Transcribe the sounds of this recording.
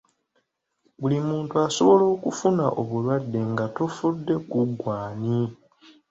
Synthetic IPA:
bulimuːntuaso̞βo̞lo̞ːkufunaʔoβulwadːe̞ŋɡatofudːe̞kuɡwaːni

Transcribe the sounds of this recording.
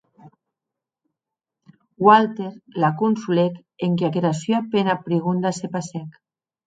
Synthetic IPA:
walt̪eɾlakunsulek | eŋkeakeɾasyapenapɾiɣund̪asepasɛk

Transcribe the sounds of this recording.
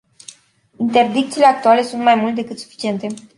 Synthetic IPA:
int̪e̞rd̪ik̚t̪sile̞ak̚t̪uale̞sunt̪majmult̪ed̪e̞kɨt̪su̥fi̥t͡ʃie̞nt̪e̞

